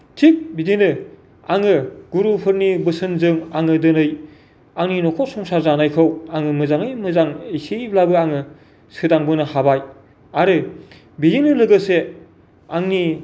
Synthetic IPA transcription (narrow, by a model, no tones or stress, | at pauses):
tʰik̚bidinɯ | aŋɯɡ̥uɾupʰɯɾnibɯsɯnzɯŋaŋɯdɯnɯj | aŋninɔkʰɔsɔŋsaɾzanajkʰɯwaŋɯmɯzaŋɯjmɯzaŋisiblabɯaŋɯ | sɯdaŋbɯnɯhabaj | aɾɯ | bidinɯlɯɡɯse | aŋni